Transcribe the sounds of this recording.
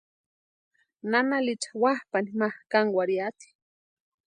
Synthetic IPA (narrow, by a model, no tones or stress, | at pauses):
nanalit͡ʃḁwahpanimahkaŋwaɾiat̪i̥